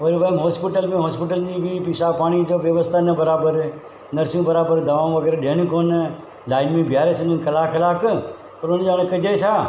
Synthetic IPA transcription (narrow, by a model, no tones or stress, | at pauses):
ʋəɾubaːmɦoːspɪʈəlmẽɦoːspɪʈəlnibʱipiːʃapaːɽ̃id͡ʒoːʋjəʋəst̪ʰaːnɐbəɾaːbəɾ | nɐɾsjũbəɾaːbəɾd̪ɐʋãːm̃ʋəɡeːɾeɗeːñĩkoːn | laːɪnmẽbʱjaːɾesʰənənkɐlaːkʰɐlaːk | pɐɾʊnd͡ʒaːɽ̃ẽkəd͡ʒet͡ʃʰaː